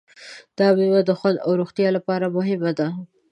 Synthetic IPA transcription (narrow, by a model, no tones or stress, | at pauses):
d̪̥ɑbewad̪əxwand̪a̰wɾuxt̪jɑlapɑɾamʊɦɪmad̪a